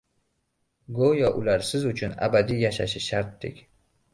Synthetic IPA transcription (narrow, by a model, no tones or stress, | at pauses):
ɡojɒʔʊlaɾsɪzʊt͡ʃʰʊna̰bad̪ijaʃaʃɪʃaɾt̪̚d̪ɪ̰kʲ